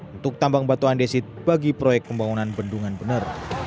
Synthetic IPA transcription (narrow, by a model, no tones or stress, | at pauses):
unt̪ʊk̚t̪ambaŋbat̪uandesit̪̚b̥aɡipɾojɛk̚pəmbaŋɔnanbənduŋanbənər